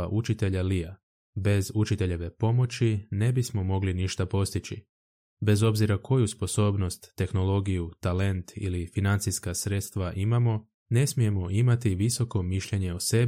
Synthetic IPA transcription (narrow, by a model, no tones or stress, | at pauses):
aʔut͡ʃit̪e̞ʎalija | be̞zut͡ʃit̪e̞ʎe̞ʋe̞po̞mo̞t͡ɕine̞bismo̞mo̞ɡliniʃt̪apo̞st̪it͡ɕi | be̞zo̞bziɾakʰo̞juspo̞so̞ːbno̞st̪ːe̞xno̞lo̞ɡijut̪ale̞nt̪ʰḭlifinant̪siskasɾe̞t̪st̪ʋaʔimamo̞ | ne̞smije̞mo̞ʔimat̪iʋiso̞ko̞miʃʎe̞ɲe̞ose̞b